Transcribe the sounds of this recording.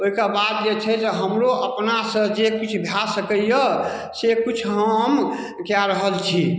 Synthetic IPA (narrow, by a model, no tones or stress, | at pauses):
oɦikebad̪̚d͡ʒet͡ʃʰɛd͡ʒeɦəmɾoʔəpnasə̃d͡ʒekit͡ʃʰbʱjasəkəjə | sekit͡ʃʰɦəm | kjaɾəɦəlt͡ʃʰi